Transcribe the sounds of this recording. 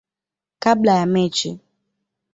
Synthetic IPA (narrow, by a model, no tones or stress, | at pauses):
kablajamɛt͡ʃɪ